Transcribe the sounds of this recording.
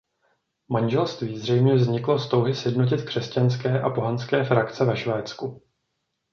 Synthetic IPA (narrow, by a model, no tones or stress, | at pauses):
manʒɛlst̪viːzr̝ɛjmɲɛvzɲɪklo̞st̪o̞wɦɪsjɛdno̞c̬ɪt̪kr̥ɛscanskɛːʔapo̞ɦanskɛːfɾakt͡sɛvɛʃvɛːt͡sku